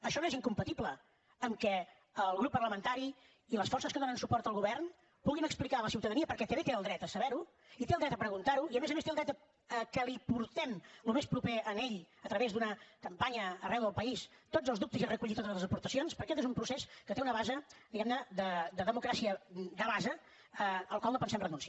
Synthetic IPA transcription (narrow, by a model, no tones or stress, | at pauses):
əʃɔnoeziŋkumpət̪iblə | əmkɛ | əlˠɣɾupːərləmənt̪aɾi | iləsfɔrsəskəðonənsupɔrt̪əlˠɣuβ̞ɛrn | b̥ulɣinəksplikaləsiwt̪əðəniəpəɾkɛt̪əβet̪eəlˠd̪ɾɛt̪əsəβɛɾu | it̪elˠd̪ɾɛt̪əpɾəɣunt̪aɾuiəmezəmest̪eəlˠd̪ɾɛt̪ə | əkəlipuɾt̪ɛmlumespɾupeəneʎət̪ɾəβezd̪unəkəmpaɲəːrɛwðəlˠpəist̪od͡zəlˠzðup̚t̪əzerəkuʎit̪ot̪ələzəpuɾt̪əsionspəɾkɛt̪ezumpɾuseskət̪eunəβazəd̪iɣɛmnəd̪əd̪əðəmukɾasiəd̪əβazə | əəlˠkwalˠnopənsɛmrənuns